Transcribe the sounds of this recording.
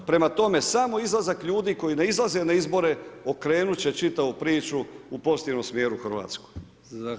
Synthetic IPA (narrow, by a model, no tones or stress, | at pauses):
pɾe̞mat̪o̞me̞samo̞izlˠazakʎuːd̪iko̞jineizlˠaze̞naizbo̞ɾe̞o̞kɾe̞ːnut͡ɕe̞t͡ʃit̪aʋupɾiːt͡ʃuupo̞st̪inomsmjeːɾuxr̩ʋa̰ːt̪skoj